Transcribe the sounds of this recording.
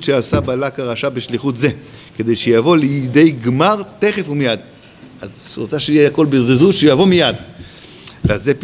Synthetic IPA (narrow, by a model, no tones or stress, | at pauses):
tʃeasabalakaʁaʃabeʃliχut̪ze̞ke̞d̪e̞jʃejavo̞lid̪e̞jɡmaʁt̪eχe̞fumijad̪ | ʔazuʁot͡saʃeijeako̞lbezezuʃeujavo̞mijad̪ | veazep